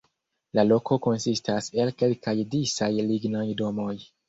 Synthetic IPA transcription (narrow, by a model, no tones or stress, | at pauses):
lalo̞ko̞ko̞nsistase̞lke̞lkajdisajliɡnajdo̞mo̞j